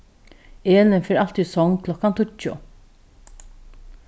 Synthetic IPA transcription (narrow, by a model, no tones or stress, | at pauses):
eːlənfeːɾɑlt̪iːsɔŋkʰlɔkant̪ʰʊt͡ʃʊ̰